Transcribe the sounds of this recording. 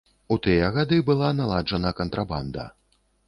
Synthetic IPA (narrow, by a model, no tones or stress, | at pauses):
ut̪ɨjɐɣad̪ɨbɨlˠanalˠad͡ʐɐnɐkɐnt̪ɾaband̪ɐ̰